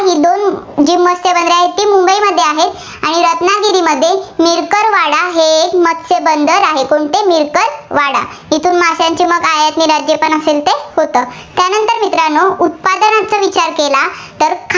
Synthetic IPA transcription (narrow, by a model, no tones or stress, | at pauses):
ɦiːd̪ond͡ʑimːəst̪ebənd̪ɾjaɦet̪iːmumbəiməd̪ʱːjeaɦet̪ | aɽ̃iɾət̪naɡiɾiːməd̪ʱːjemiɾkəɾʋaɽaɦeːkmət̪sebənd̪ʱəɾaɦekoɳt̪emiɾkəɾʋaɽa̰ | ɦit̪uːnmasjaɲt͡ɕiːməɡajat̪miːɾad͡ʑjepəɳəselt̪ehot̪əːt̪janənt̪əɾmit̪ɾanout̪̚pad̪ənat͡səːʋit͡ɕaɾkelat̪əɾkʰ